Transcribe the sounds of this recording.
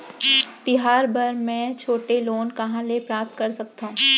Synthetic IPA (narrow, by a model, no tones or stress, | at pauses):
t̪ɪɦaːɾbɐɾmɛ̃ːt͡ʃʰoːʈeloːnkɐɦãlepɾaːp̚t̪̚kɐɾsɐk̚t̪aɦũ